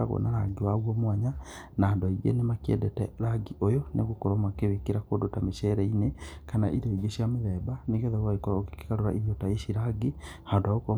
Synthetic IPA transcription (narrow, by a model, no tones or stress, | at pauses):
a̰ɣɔ̰naɾa̰ɡiwaɣwɔmwaɲa | naaːndoaiɣḛnemakiɛ̰dɛtɛ̰ɾaɡiʔojonḛɣokoɾɔmakeβekeɾakodotameʃɛɾɛinekana̰ʔiɾoiɡeʃiameðɛbaneɡɛðaɣwaekɔokeke̥kaɾoɾa̰ʔiβjɔtaeʃiɾaɡihandoaɣokɔ